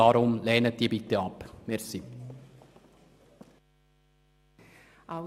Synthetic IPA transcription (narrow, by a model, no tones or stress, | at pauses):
ɑːɾʊmlɛːnət̚d̥̪iːbɪt̪əɑpmɛɾsi | ʔa